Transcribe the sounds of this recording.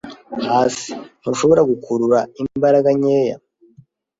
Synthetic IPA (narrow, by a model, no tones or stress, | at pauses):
haːsi̥n̥huʃo̞βo̞ɾaɡukʰuɾuɾaibaɾaɡaɲeːja̰